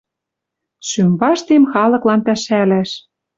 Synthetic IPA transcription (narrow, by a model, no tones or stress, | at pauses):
ʃymbɑʃt̪emxɑlɤ̆klɑnp̪æʃælæʃ